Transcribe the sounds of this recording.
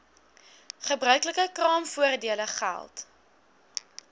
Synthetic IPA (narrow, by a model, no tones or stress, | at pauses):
χəbrœɥkləkəkrɑːmfuərdiələχæ̰lˠt